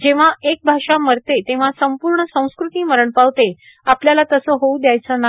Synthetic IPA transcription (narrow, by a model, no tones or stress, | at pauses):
d͡ʑeʋ̤aek̚bʱaʂaməɾt̪et̪ẽʋ̤asəmpuɾɳəsə̃w̃skɾut̪iːməɾəɳpaʋt̪e | apljalat̪əsəɦoud̪jajt͡səna